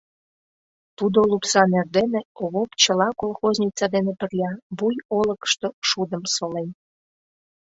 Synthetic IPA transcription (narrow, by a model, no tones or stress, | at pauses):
t̪ud̪olupsɑnerd̪eneoβopt͡ɕəlɑkolˠxozʲnʲit͡sɑd̪enepərlʲɑβujoləkə̥ʃt̪oʃud̪əmsolen